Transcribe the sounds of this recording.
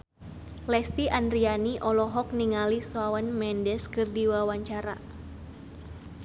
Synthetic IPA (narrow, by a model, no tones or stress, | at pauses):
lɛst̪iʔandɾianiʔɔlɔɦɔk̚niŋaliswawənmɛndɛskɨrdiwawaɲt͡ʃaɾa